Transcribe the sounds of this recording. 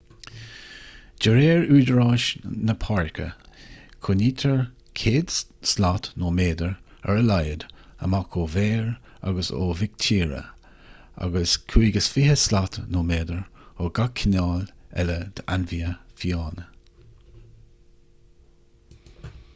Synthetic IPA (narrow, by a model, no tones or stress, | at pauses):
d͡ʒ̥əɾeːɹʉːd̪əɹɑːʃnəpʰaɹkʰə̰kʰʊniːt̪ʰəɹ | kʰeːd̪̥slat̪noːmeːd̪əɹɛ̰ɹəlajəd̪ə̰makʰoːveːɹ | a̰ɡəso̰ːvɪk̚tʰiːɹə̰ | a̰ɡəskʰuːɡəsfihəslat̪noːmeːd̪əɹoːɡakʰːɪnɑːlɛ̰ləd̪̥əʔanviəfiɑːnə